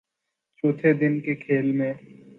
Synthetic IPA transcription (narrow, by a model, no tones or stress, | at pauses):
t͡ʃoːt̪ʰed̪ɪnkekʰeːlmẽ